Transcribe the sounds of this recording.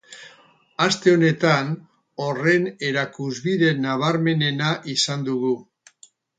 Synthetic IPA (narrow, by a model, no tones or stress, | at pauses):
ast̪e̞o̞ne̞t̪an | o̞re̞ne̞ɾakuzβiðe̞naβ̞aɾme̞ne̞naʔisand̪uɣu